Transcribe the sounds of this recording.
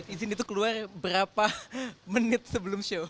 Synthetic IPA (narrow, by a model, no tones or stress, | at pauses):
sizɪnit̪ukəluarbəɾapamənɪt̪̚səbəlʊmʃo